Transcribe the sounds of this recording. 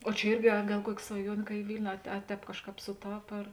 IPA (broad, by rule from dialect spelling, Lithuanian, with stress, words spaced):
oː t͡ʃʲɛ ˈɪrʲɡʲɪ ɐ ˈɡɐlˠ ˈkuɔkʲɪ sʋɐˈjuɔnʲeː kɐ ɪ ˈʋʲɪlʲnʲʊ ɐ tʲɛ ˈtʲɛːp ˈkɑːʃˌkɑːp sʊˈtɐp ɐr